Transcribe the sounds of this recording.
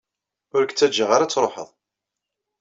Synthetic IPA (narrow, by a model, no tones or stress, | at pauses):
ʊɾəkt͡sːæd͡ʒəʁaɾat͡sːɾˤoħə̰ðˤ